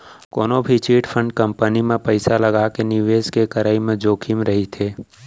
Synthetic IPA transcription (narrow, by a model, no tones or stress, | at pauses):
koːnobʱit͡ʃiːʈfʰə̃ɳɖ̚kə̃mpənimẽpəɪsalɐɡakenɪʋeːskekɐɾaːimẽd͡ʒoːkʰimɾɐɦit̪ʰeː